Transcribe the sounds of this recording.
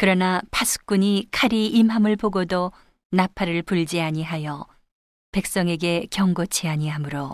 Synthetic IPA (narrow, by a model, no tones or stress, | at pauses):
kɯɾʌnapʰasʰɯ̥k̚k͈uɲikʰaɾiːmɦamɯɭpoɡodo | napʰaɾɯɭpuɭd͡ʑiaɲiɦajʌ | pe̞k̚s͈ʌŋe̞ɡe̞kjʌŋɡot͡ɕʰiaɲiɦamɯɾo